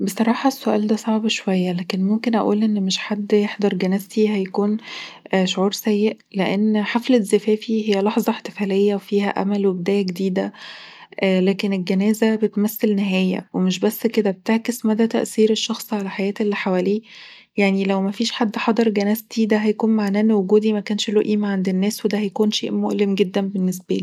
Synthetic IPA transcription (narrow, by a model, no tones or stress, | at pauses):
besˤɑɾˤɑːħɑsːoʔæ̰ːld̪æsˤɑʕbʃowæjːælæːkenmomkenʔæ̰ʔuːlʔenːmeʃħad̪ːjeħd̪ɑɾˤɡænæzt̪iɦæjækuːn | ʃoʕuːɾsæjːeʔ | leʔenːħaflezefæːfihejːælɑħzˤɑħt̪e̥fæːlejːæwefiːhæʔæ̰mælwebed̪æːjæɡed̪iːd̪æʔlæːkenelɡenæːzæbet̪mæsːelneɦæːjæ̰wemeʃbæsːked̪æbet̪eʕkesmæd̪æt̪æʔsiːɾeʃːɑxsˤʕalæħajæːt̪elːiħawæliː | jaʕnilæwmæfiːʃħad̪ːħɑd̪ˤɑɾˤɡænæːzt̪id̪æɦæjækuːnmaʕnæːʔnːwoɡuːd̪imækæːnʃlo̰ːʔiːmæʕand̪enːæːswed̪æhæjækuːnʃḛːʔmoʔlemɡed̪ːænbenːes̬bæliː